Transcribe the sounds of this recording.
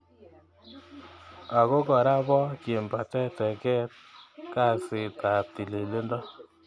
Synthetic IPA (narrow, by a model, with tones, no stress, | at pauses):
a˨ko˦kɔ˨ɾa˦bɔ˦ke˨mba˨tɛ˦tɛ˨kɛ˦t̚ka˦˨sɪ˨ta˨p̚ti˨le˨le˦ndɔ˦